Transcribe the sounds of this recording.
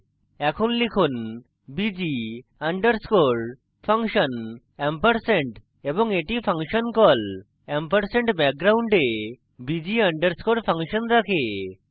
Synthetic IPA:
ɛkʰonlikʰun | bid͡ʒiaɳɖəɾskoɽ | pʰaŋʃɔn | ɛmpəɾseɳʈ | ebɔŋeʈipʰaŋʃɔnkɔl | ɛmpəɾseɳʈbɛk̚ɡɾawɳɖe | bid͡ʑiaɳɖəɾskoɽpʰaŋʃɔnɾakʰe

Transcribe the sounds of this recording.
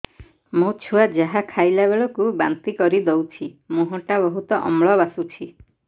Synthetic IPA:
mõt͡ʃʰuad͡ʒaɦakʰajlabeɭɔkubant̪ikɔɾid̪owt͡ʃʰimuɦɔ̃ʈabɔɦut̪ɔʔɔ̰mɭɔβasut͡ʃʰi

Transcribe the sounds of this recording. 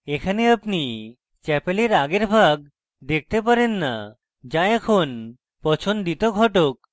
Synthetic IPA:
ekʰaneapni | t͡ɕɛpeleɾaɡeɾbʱaɡ̚ | d̪ek̚ʰt̪epaɾenːa̰ | d͡ʑaɛkʰon | pɔt͡ɕʰond̪it̪oɡʱɔʈok̚

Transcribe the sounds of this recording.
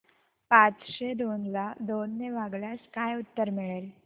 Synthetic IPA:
pãt͡sɕed̪onlad̪onːeʋaɡlaskajut̪ːəɾmiɭel

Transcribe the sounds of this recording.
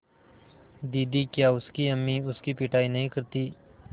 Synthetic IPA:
d̪iːd̪ikjaːʊskiɐmːiʊskipɪʈaːinɐɦĩkəɾt̪iː

